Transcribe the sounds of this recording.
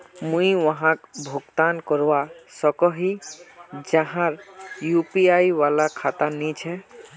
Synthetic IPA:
mũiwəɦãkbʱoɡt̪ankɔɾwasɔkɔɦi | d͡ʒaɦãɾjupiajwalakʰat̪anit͡ʃʰɛ

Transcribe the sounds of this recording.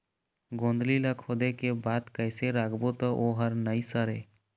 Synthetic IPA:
ɡõːnd̪lilakʰoːd̪ekebaːd̪kəɪseɾaːkʰbot̪ɔʔoːɦəɾnəisəɾɦeː

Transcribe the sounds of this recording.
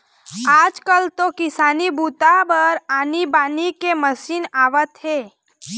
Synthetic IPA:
aːd͡ʒkəlt̪okɪsaːnibuːt̪abəɾaːnibaːnikeməsiːnaːʋət̪ɦeː

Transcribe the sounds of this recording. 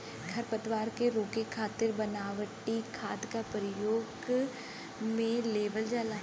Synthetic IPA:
kʰɐɾpət̪ʋaːɾkeɾoːkekʰaːt̪ɪɾbɐnaːʋəʈikʰaːd̪kapɾəjoːɡ | mẽleːʋəld͡ʒaːla

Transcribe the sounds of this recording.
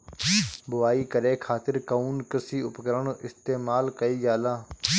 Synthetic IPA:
bʊʋaːiːkəɾeːkʰaːt̪ɪɾkəuːnkəsiːʊpkəɾəɳʔɪst̪eːmaːlkəiːd͡ʒaːlaː

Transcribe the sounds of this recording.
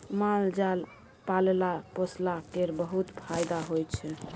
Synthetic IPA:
mald͡ʒal | palelaposlakeɾbəɦut̪pʰajd̪aɦojt͡ʃʰɛ

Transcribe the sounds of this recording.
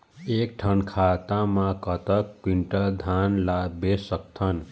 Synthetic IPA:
ek̚ʈʰʌnkʰat̪amakʌt̪ʌk̚piɳʈʌd̪ʱanlabesʌk̚t̪ʰʌn

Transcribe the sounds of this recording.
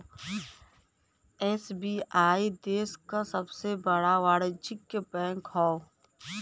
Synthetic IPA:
ɛːsbiːʔaːid̪eːskasəbsebəɽaʋaːɽət͡ʃɪkːepɛ̃ːŋkhɔːo

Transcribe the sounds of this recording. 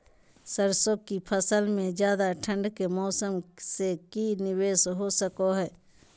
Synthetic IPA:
səɾsõkipʰəsəlmẽd͡ʒjaːd̪aʈʰə̃ɳɖkemɔːsəmsekinɪweːsɦosəkoɦɛː

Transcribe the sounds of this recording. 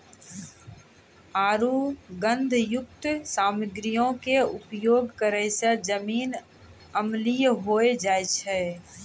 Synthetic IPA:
aːɾuɡə̃nd̪ʱjʊk̚t̪saːmɪɡɾijõkeʊpjoːɡkəɾəjsad͡ʒəmiːn | əmlijɦoːed͡ʒaːet͡ʃʰɛ

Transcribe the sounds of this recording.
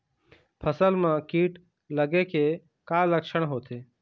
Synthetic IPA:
pʰəsəlmãːkiːʈ | ləɡeke | kaːləkʃəɽ̃ɦoːt̪ʰeː

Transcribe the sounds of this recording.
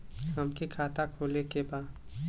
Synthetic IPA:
ɦəmkikʰaːt̪akʰoːlekebaː

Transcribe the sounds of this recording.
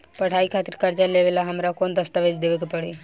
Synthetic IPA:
pɐɽ̤ʰaːikʰaːt̪ɪɾkɐɾd͡ʒaleːʋelaɦɐmɾakoːnd̪ɐst̪aʋed͡ʒd̪eːʋekepɐɽeː

